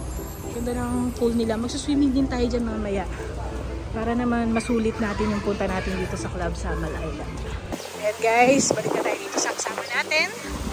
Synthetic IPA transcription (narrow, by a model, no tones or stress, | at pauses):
jɐnd̪ɐnɐʔɐŋŋfulnɪlamɐɡ̚suswiːmɪŋd̪ɪnt̪aːjo̞d͡ʒanmɐŋamɐjaʔ | paːɾɐnɐmanmɐsuːlɪt̪̚naːt̪ɪnjʊŋpʊnt̪ɐnaːt̪ɪnd̪iːt̪o̞sɐklab̚sɐmɐlɐʔɐjlɐn | ɐjan̚ɡajsbɐlɪɐt̪aːjod̪iːt̪osɐkɐsaːmɐnaːt̪ɪn